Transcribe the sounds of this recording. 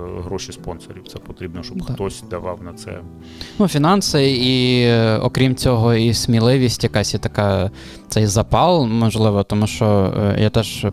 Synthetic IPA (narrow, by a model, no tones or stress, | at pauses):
ɦɾɔʃispɔnsɔɾʲiwt̪sɛpɔt̪ɾʲibnɔʃt͡ʃɔbxt̪ɔsʲd̪ɐʋɑwnɐt̪sɛ̰ | nufʲinɑnsɪi | ɔ̰kɾʲimt͡sʲɔɦɔisʲmʲilˠɪʋʲisʲtʲjɐkɑsʲjɛt̪ɐkɑ | tt̪sɛjzɐpɑlˠmɔʒlˠɪʋɔt̪ɔmuʃt͡ʃɔ̰jʔat̪ɛʒ̥